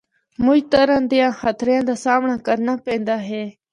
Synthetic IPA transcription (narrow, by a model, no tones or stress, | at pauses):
mũjt̪əɾãnd̪ijãːxət̪ʰɾjãːd̪aːsaːmɳãːkəɾnaːpẽːnd̪aːɦeː